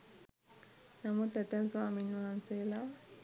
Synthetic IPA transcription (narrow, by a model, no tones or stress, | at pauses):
namutɛtɛnt͡sɔaminwant͡sɛla